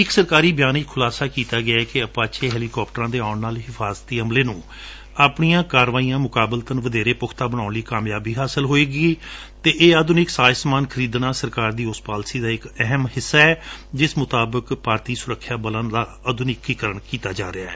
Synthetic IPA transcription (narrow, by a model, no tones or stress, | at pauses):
ɪksəɾkaːɾiːbjaːnɪkkʰʊlaːsaːkiːt̪aːɡɪaɛkeəpaːt͡ʃʰeːɦɛːliːkɔːp̚ʈəɾãːd̪eːaːɳnaːlɦɪfʰaːzət̪ːiːəmleːnũː | apɳijãːkaːɾʋaːiːãːmʊkaːbəlt̪ənʋəd̪eːɾeːpʊkʰt̪aːbəɽ̃ãːnliːkaːmjaːbiːɦaːsəlɦoːeːɡiː | t̪eːʔeːəd̪ʊnɪksaːjsmaːnkʰəɾiːd̪nãːsəɾkaːɾd̪iːʊspaːlsiːd̪aːɪkɛɦəmhɪsːaːɛːd͡ʒɪsmʊt̪aːbəkpaːɾt̪iːsʊɾəkʰːjaːbələnd̪aː | əd̪ʱʊnɪkːiːkəɾəɳkiːt̪aːd͡ʒa̰ːɾɪaːɛː